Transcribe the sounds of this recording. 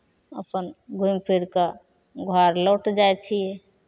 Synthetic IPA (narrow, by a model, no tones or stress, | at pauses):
əpənɡʱumpʰiɾka | ɡʱwaɾlɔʈd͡ʒajt͡ʃʰije